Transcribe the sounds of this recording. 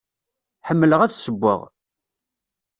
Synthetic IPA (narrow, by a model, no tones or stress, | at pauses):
ħəmːələʁæθsəbʷːə̰ʁ